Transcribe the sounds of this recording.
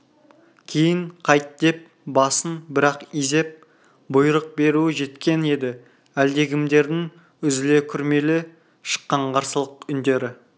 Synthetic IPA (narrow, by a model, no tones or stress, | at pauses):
kʲʰejɪɴqʰɑjt̪̚d̪e̞p̚ | bɑsənbɪɾɑqize̞p̚ | bʊjɾəq̚be̞ɾuɪʒe̞t̪kʲe̞ne̞d̪ɪ | æld̪e̞ɡʲɪmd̪e̞ɾd̪ɪŋ | ʏzɪle̞kʲʰʏɾme̞lɪ | ʃə̥qːɑɴqʰɑɾsəlˠəqʏnd̪e̞ɾɪ